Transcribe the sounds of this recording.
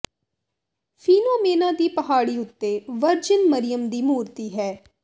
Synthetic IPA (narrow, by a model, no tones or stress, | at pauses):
fʰiːnoːmeːnãːd̪iːpəɦaːɽiːʊt̪ːeːʋəɾd͡ʒənməɾɪjəmd̪iːmuːɾt̪iːɦɛː